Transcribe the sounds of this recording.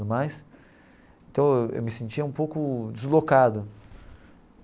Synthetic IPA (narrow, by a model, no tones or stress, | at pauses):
ʊmajs | ẽt̪ɐ̃w̃ewʔḛwmɪsẽnt͡ʃiɐũpowkʊd͡ʒɪzlokad̪ʊ